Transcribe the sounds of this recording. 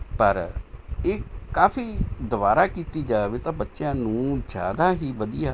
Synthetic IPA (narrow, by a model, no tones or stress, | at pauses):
pəɾeːkaːfʰiːd̪ʊʋaːɾaːkiːt̪iːd͡ʒaːʋeːt̪ãːbətːʃjãːnũːd͡ʒa̰ːd̪aːɦiːʋəd̪ɪjaː